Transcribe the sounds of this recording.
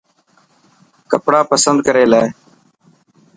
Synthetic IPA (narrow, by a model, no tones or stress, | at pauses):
kəpɽaːpəsənd̪kəɾeːlaːe